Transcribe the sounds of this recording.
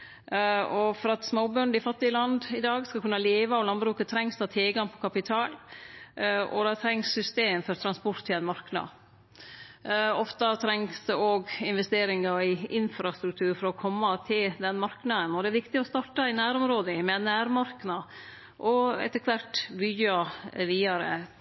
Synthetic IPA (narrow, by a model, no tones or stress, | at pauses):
ɔfɔɾɑt̪smoːbøːɳd̪ɪfɑt̪ːɪəlɑnd̪ɪd̪ɑːɡskɑkʰʉnːɑleːʋɑɔʋlɑnbɾʉːkət̪ʰɾɛŋst̪ʰɑːt̪ʰɪlɡɑŋpʰɔkʰɑpɪt̪ʰɑːl | ɔ̰d̪ɑt̪ʰɾɛŋssʏst̪eːmfɔɾt̪ʰɾɑnspɔɾt̪ʰːɪlɛnmɑɾknɑ̰ | ɔft̪ɑt̪ʰɾɛŋsd̪̥ɛoːɡɪnʋɛst̪eːɾɪŋɑɪɪnfɾɑst̪ɾʉk̚t̪ʰʉːɾfɔɾɔkʰɔmːɑt̪ʰɪld̪ɛnmɑɾknɑd̪ənɔd̪ɛæɾʋɪkt̪ɪɔst̪ɑʈɑɪnæːɾɔmɾoːd̪ɪmɛnæːɾmɑɾknɑ | ʔɔɛ̰t̪əkʰʋæʈbʏːɑʋiːɑɾə̰